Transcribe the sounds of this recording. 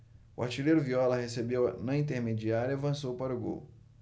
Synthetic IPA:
ʊa̰ɾt͡ʃilejɾʊviɔlɐhesebewnɐĩnt̪̬eɾmed͡ʒiaɾɐavɐ̃sowpaɾʊɡo̰w

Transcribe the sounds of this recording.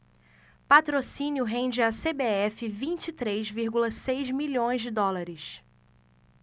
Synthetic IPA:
pat̪ɾosĩnjʊɦẽnd͡ʒɪasebeɛfɪvĩnt͡ʃit̪ɾejzviɾɡulɐsejzmiʎõj̃zd͡ʒɪd̪ɔlaɾɪs

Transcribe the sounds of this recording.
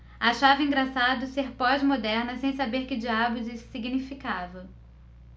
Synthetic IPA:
aʃavɪĩŋɡɾasad̪ʊseɾpɔzmod̪ɛɾnɐsẽj̃sabeɾkɪd͡ʒiabʊd͡ʒissiɡinifikavɐ

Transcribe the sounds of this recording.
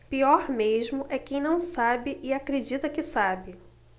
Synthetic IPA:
piɔɾmeʒmʊʔɛkẽj̃nɐ̃w̃sabɪʔɪakɾed͡ʒit̪ɐkɪsabɪ

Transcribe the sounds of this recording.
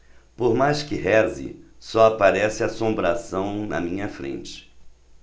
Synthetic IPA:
poɾmajskɪɦɛzɪ̰sɔapaɾɛsɪasõmbɾasɐ̃w̃nɐ̰mĩɲɐfɾḛ̃nt͡ʃɪ̥

